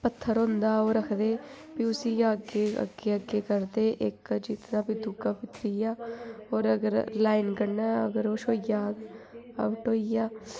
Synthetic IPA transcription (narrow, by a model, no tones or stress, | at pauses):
pət̪ʰːəɾɦõnd̪aːoːɾəkʰd̪eː | piʊsiːjãːəɡeːə̰ɡeːəɡːeːkəɾd̪eːʔɪkd͡ʒit̪nãːpiːd̪ʊɡaːpɪt̪ɾiːaːoːɾəɡəɾlaːinkəɽnaːə̰ɡəɾoːʃoːijaː | a̰ʋəʈoːijaː